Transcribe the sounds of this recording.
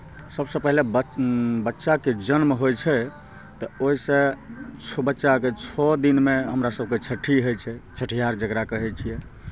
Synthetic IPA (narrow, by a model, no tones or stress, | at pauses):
səbsəpɛɦlebbətːʃaked͡ʒənmɦojt͡ʃʰɛ | t̪ɔoisẽt͡ʃʰbətːʃaket͡ʃʰɔd̪inmeɦəmɾasəb̚ket͡ʃʰəʈʰːiɦojt͡ʃʰɛt͡ʃʰəʈʰijaɾd͡ʒəɡɾakəɦɛt͡ʃʰijɛ